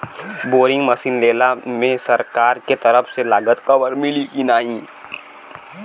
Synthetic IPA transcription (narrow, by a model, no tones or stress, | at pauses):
boːɾɪ̃ŋɡmɐsiːnleːlamẽsɐɾkaːɾket̪ɐɾəfselaːɡət̪kɐʋəɾmɪlikinaːĩː